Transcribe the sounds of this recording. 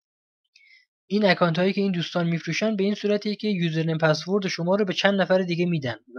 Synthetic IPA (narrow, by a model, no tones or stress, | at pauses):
ʔiːnækʰɒːnt̪hɒːiːcʰeiːnd̪uːst̪ɒːnmiːfɾuːʃænd̪̚beiːnsuːɾæt̪ʰicʲʰe̞juːzeɾnempʰæsvoɾd̪ʃomɒːɾɒːbet͡ʃʰænd̪næfæɾed̪iːɡemiːd̪æn